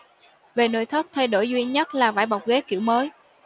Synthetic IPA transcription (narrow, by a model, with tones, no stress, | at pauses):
ve˨˩no̰ː˧˨jt̪ʰə˦˥t̚t̪ʰa˧jɗo˧˩jzwi˧ənɲə˦˥t̚laː˨˩vaː˧˩jɓa˨˩wk͡p̚ɣe˨˦kḭ˧˩əwməː˨˦j